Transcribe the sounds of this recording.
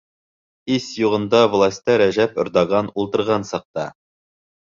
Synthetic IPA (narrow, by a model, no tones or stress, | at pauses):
isjuʁɤ̆nd̪ɑvlˠasʲt̪ɑɾæʑæpŏɾd̪ɑɡɑnulˠt̪ɤ̆ɾʁɑnsɑq̚t̪ɑ